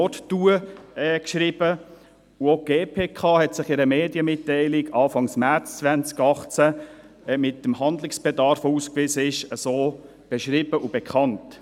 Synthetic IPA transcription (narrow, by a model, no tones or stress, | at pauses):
ɔttuəɛkʃɾɪb̥ə | uoɡ̥eːpʰeːkʰɑːhɛtsɪχɪɾəmeːdjəmɪtːɛɪlɪɡɑːfɑŋsmæɾt͡st͡svænt͡skɑχt͡sæ | mɪtːəmhɑnd̪lɪksb̥ɛdɑɾfuːskvisəɪʃəsoː | b̥ɛʃɾɪb̥əʔub̥ɛkχɑnt